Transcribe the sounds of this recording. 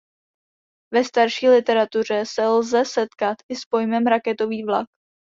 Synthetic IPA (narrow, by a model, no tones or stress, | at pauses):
vɛst̪aɾʃiːlɪt̪ɛɾat̪ur̝ɛsɛlzɛsɛt̪kat̪ɪspo̞jmɛmɾakɛt̪o̞viːvlak̚